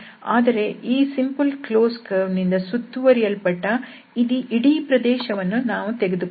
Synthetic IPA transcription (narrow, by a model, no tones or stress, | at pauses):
aːd̪ɐɾe̞ʔiːsimpɐlkloːskɐnind̪ɐsut̪ːuʋɐɾijɐlpɐʈːɐ | id̪iʔiɽiːpɾɐd̪ɛːʃɐʋɐnːunaːʋut̪eɡed̪u